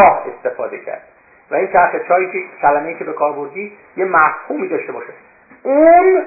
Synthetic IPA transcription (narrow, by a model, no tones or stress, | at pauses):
ɒːhe̞st̪e̞fɒːd̪e̞cʰæ̰ɾd̪ | væiːnt̪ʰæɾxet͡ʃʰɒːɾiːcʰecʰælæmejiːcʰebe̞kʰɒːɾbo̞ɾd̪iː | jemæfhuːmiːd̪ɒʃt̪e̞bɒ̰ːʃe | un